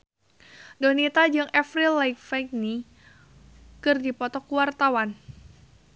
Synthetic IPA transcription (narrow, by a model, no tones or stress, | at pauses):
donit̪ad͡ʒɨŋɛfɾilajkfajk̚ni | kɨrdipɔt̪ɔkuwart̪awan